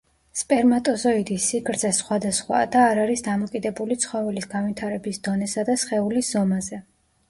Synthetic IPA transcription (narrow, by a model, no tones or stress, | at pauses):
spʼɛɾmat̪ʼɔzɔid̪isːikʰɾd̪zɛsχwad̪asχwa̰d̪aːɾaɾisd̪amɔkʼid̪ɛbulit̪sʰχɔvɛlisɡanvit̪ʰaɾɛbisd̪ɔnɛsad̪asχɛulisz̥ɔmazɛ